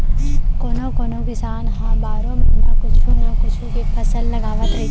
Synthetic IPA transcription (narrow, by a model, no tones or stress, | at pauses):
koːnoːkoːnõkɪsaːnɦãbaːɾõːmɪnnãkʊt͡ʃʰuːnɐ̃kʊt͡ʃʰukepʰɐsəlːɐɡaːʋət̪ɾe